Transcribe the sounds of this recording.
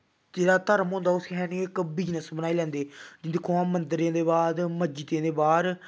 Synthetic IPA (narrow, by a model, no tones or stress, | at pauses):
d͡ʒeːɽaːt̪əɾmɦõːnd̪aːʊsɦɛːniːɪkbɪd͡ʒnəsbənaːiːlɛ̃ːnd̪eːd͡ʒɪd̪eːkʰːõãːmənd̪ɾiãːd̪eːbaːd̪məd͡ʒɪt̪ẽːd̪eːbaːɾ